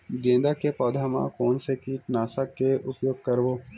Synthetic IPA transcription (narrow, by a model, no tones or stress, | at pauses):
d̪ẽːnd̪akepɔːd̪ʱamã̰koːnsekiːʈnaːsəkːeʔʊpjoːɡ̚kɐɾʋoː